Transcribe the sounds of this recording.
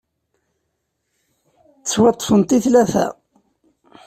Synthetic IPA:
t͡sːwɑt̪ˤːə̥fənt̪iθlæθæ̰

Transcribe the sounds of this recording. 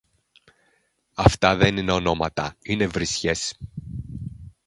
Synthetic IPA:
ɐft̪ɐðe̞nine̞o̞no̞mɐt̪ɐine̞vɾisçes

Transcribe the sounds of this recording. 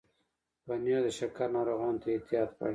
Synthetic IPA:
banjod̪əʃakaɾnɑɾoɣɑːnt̪ʰaet̪ijɑːt̪pa̰

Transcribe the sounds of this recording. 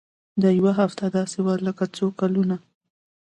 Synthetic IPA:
d̪əjwaɦaft̪ad̪ɑsewaɾləkat͡sokaluna

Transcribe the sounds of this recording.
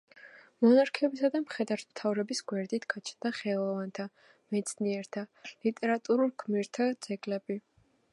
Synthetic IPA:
mɔnaɾkʰɛbisad̪amχɛd̪aɾt̪mt̪ʰavɾɛbisɡwɛɾd̪it̪ʰɡ̥at͡ʃʰnd̪aχɛlˠɔvant̪ʰa | mɛt̪sʰniɛɾt̪ʰalit̪ʼɛɾat̪ʼuɾulˠɡʰmiɾt̪ʰad̪z̥ɛɡʼlɛbi

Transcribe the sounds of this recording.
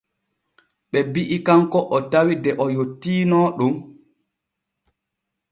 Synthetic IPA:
ɓɛbiʔikaŋkɔʔɔtawidɛʔɔjotːiːnɔɗum

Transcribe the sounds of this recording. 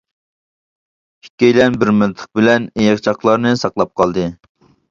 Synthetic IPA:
hi̥kʲːejlɛnbɪɾmɨnt̪ʰə̥q̚bɪlɛnejɑq̚t͡ʃʰɑqlˠɑɾnɨsɑqlˠɑp̚qʰɑlˠd̪ɨ

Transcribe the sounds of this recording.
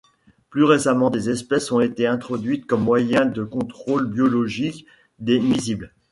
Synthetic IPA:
plyʁesamɑ̃d̪ezɛspɛsɔ̃et̪eɛ̃t̪χɔd̪ɥit̪kɔmːwajɛ̃d̪əkɔ̃t̪χolbjɔlɔʒik | d̪emizibl

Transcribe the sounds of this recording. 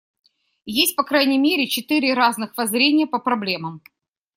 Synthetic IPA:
jesʲt̚ʲpɐkɾajnʲɪjmʲeɾʲɪt͡ɕɪt̪ɨɾʲɪɾaznɨxvɐzɾʲenʲɪjəpəpɾɐblʲe̞məm

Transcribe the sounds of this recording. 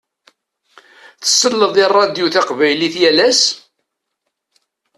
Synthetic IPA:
θə̥sːəlːəðˤɪrˤːɑd̪juθaqvæjliθjælæs

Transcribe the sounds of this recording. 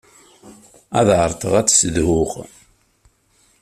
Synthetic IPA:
æðʕəɾˤt̪ˤəʁæt͡sːsəðhʊʁ

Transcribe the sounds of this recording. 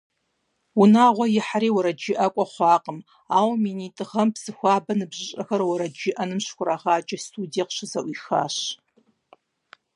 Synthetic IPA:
wʊnaːʁʷɔjɪħaɾiːwʊɾɐd͡ʒɪʔɐkʷʼɔχʷɑːqʼəm | aːwminiːtʼɨʁɐmpsɨxʷɑːbɐnɨbʑɪɕʼɐxɐrwɐɾɐd͡ʒɪʔɐnɨmɕxʷʊɾaʁaːd͡ʒɐstʰuːdieqɕɪzɐʔʷiːxa̰ːɕ

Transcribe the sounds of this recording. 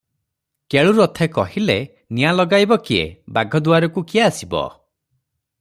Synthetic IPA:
keɭuɾɔt̪ʰekɔɦile | nijalɔɡajbɔkiḛbaɡʱɔd̪uaɾɔkukiaːsibɔ̰

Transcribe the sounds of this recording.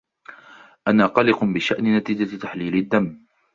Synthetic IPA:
ʔanaːqɑlɪqʊbɪʃaʔnɪnat̪iːd͡ʒat̪aħliːlɪd̪ːamː

